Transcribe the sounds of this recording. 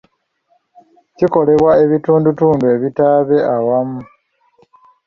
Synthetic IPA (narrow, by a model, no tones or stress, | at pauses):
ciko̞le̞βwae̞βituːndutuːndue̞βitaːβe̞ʔawamu